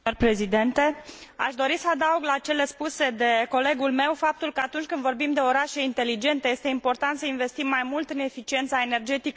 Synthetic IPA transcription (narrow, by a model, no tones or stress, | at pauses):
rpɾe̞zid̪ent̪e̞a̰ʃd̪o̞ɾisəad̪auɡlat͡ʃe̞le̞spuse̞d̪e̞ko̞le̞ɡulme̞wfap̚t̪ulkəat̪unt͡ʃʲkɨnd̪vo̞rbimd̪e̞o̞ɾaʃe̞int̪e̞lid͡ʒe̞nt̪e̞jest̪e̞impo̞rt̪ant̪səinve̞st̪imːajmult̪ɨne̞fit͡ʃie̞nt̪sae̞ne̞rd͡ʒe̞t̪ik